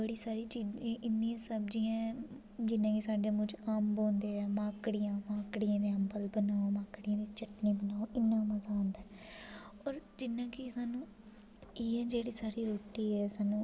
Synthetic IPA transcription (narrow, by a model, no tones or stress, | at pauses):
bəɽiːsaːɾiːt͡ʃiːd͡ʒẽːʔɪnːiãsəbd͡ʒiːãː | d͡ʒɪnːãːkisaːɖeːmʊ̃d͡ʒaːmbõːnd̪eːɛːmãːkɽɪjãːmãːkɽɪjãːd̪eambəlbənaːoːmaːkɽɪjãːd̪iːt͡ʃəʈniːbənaːoːʔɪnːãːməzaːõːnd̪aːɛː | ɔːɾd͡ʒɪnːãːkɪsaːnũː | iːãːd͡ʒeːɽiːsaːɾiːɾoːʈiːɛːsaːnũː